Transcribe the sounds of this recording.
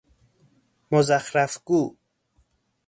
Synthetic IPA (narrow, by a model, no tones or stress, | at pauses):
mozaxɾafɡu